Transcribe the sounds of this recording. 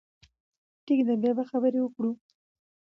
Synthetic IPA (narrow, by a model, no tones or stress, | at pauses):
ʈikd̪abjɑbaxabəɾewəkɽu